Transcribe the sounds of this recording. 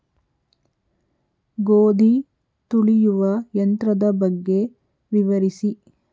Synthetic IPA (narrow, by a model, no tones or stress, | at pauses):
ɡoːd̪ʱi | t̪uɭijuʋɐjɐnt̪ɾɐd̪ɐbɐɡːe̞ | ʋiʋɐɾisi